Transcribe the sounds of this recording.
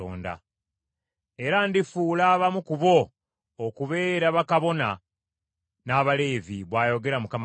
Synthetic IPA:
o̰ːnda̰ | e̞ɾandifuːlaːβamukuβo̞ː | kuβe̞ːɾaβakaβo̞na | naːβale̞ːviβwaːjo̞ɡe̞ɾamukam

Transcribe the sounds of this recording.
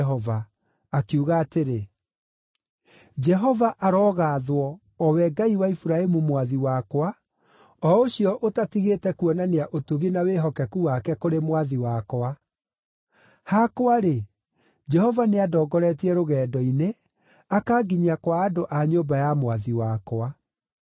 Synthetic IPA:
ɦɔvaː | kiuɣaːteɾe | d͡ʒɛɦɔvaʔaɾɔːɣaðwɔː | wɛɡaiwaifuɾaemumwaðiwakwa | ɔoɕiɔʔotatiɣeːtɛkwɔnaneaʔotuɣinaweɦɔkɛkuwakɛkoɾemwaðiwakoa | hakwaɾe | d͡ʒɛhɔvaneadɔːɡɔɾɛtiɛɾoɣɛːdɔine | akaːɡiɲiakwaːdoʔaɲombajamwaðiwakwa

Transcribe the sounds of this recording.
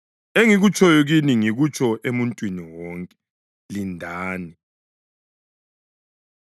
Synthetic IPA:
eŋiɣut͡ʃʰʼɔjɔɣiniŋiɣut͡ʃʰʼɔʔemuntʼwiniwɔːŋkʼɛ̥ | lindʱaːni

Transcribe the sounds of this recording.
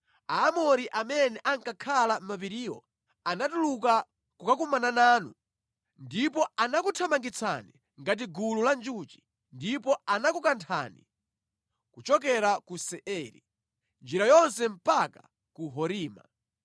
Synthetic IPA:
aːmɔɾiʔamɛnɛʔaŋkakʰalam̩map̬iɾiːwɔ̰ | anatuluk̬a | kukak̬umananaːnṵ | ndipɔanakutʰamaŋɡit͡sʰa̰ni | ŋɡat̬iɡululand͡ʒut͡ʃi̥ | ndipɔanakukantʰa̰nḭ | kut͡ʃɔk̬ɛɾakusɛʔɛɾḭ | nd͡ʒiɾajɔnsɛm̩paka | kuɦɔɾiːma̰

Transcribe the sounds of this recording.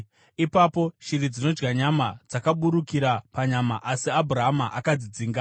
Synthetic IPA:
ipapo̞ʃirid͡zino̞d͡ʒɡaɲamad͡zakaɓuɾukiɾapaɲamaʔasiabʱuraɦamaʔakad͡zid͡ziːŋɡa

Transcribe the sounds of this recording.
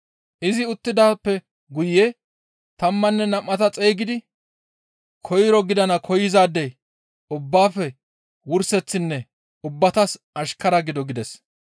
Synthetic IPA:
ʔɪzɪʊt̪ːɪd̪aːpːɛ | ɡʊjːe | t̪ɐmːɐnːɛnɐmːɐt̪ɐt͡sʼe̞ːɡɪd̪ɪ | kʰɔjɾɔɡɪd̪ɐnɐkʰɔjɪzaːd̪ɛj | ʊbːaːfːɛ | wʊɾsɛt͡sːɪnːɛ | ʊbːɐt̪ɐs | ɐʃkɐɾɐɡɪd̪ɔɡɪd̪ɛs

